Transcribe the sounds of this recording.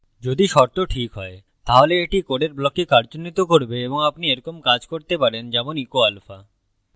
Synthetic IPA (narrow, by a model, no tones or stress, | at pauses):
d͡ʑod̪iʃɔɾt̪oʈʰikɦɔ̰e | t̪aɦoleeʈikoɖeɾblɔkikaɾd͡ʑonːit̪okoɾbeeboŋapnieɾɔkomkad͡ʑkoɾt̪epaɾend͡ʑɛmonikoalfa